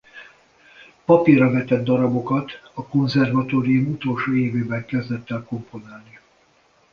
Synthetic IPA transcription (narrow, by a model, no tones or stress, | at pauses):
pɒpirːɒvɛt̪ɛd̪ːɒɾɒbo̞kɒt̪ɒko̞nzɛrvɒt̪oːɾijumut̪o̞lʃoːeːveːbɛŋkɛzd̪ɛt̪ːɛlko̞mpo̞naːlni